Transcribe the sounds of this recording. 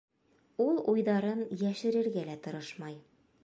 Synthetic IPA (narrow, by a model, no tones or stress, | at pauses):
ulˠujðɑɾɤnjæʃɘ̆ɾɘ̆ɾɡælæt̪ɤ̆ɾɤʃmɑj